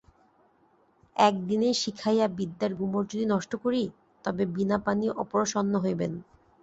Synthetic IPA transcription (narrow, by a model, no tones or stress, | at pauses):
ɛk̚d̪inejʃikʰajabid̪ːaɾɡumoɾd͡ʑod̪inɔʃʈokoɾi | t̪ɔbebinapaniʔɔpoɾoʃɔnːoɦojben